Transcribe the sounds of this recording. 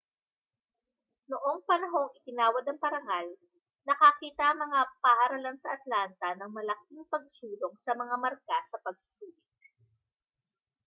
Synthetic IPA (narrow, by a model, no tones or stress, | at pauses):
noʔo̞ŋpɐnɐɦo̞ŋɪt̪ɪnaːwɐd̪ɐŋpɐɾɐŋal | nɐkɐkiːt̪ɐʔɐŋmɐŋapɐhɐɾɐlansɐʔɐt̪lant̪ɐnɐŋmɐlɐk̚iŋpɐɡ̚suːloŋsɐmɐŋamɐɾkasɐpɐɡ̚sʊ̥suːlɪk̚